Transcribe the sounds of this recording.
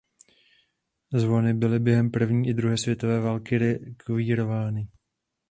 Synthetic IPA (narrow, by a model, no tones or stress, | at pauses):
zvo̞nɪbɪlɪbjɛɦɛmpr̩vɲiːʔɪd̪ɾuɦɛːsvjɛt̪o̞vɛːvaːlkɪɾɛkviːɾo̞vaːnɪ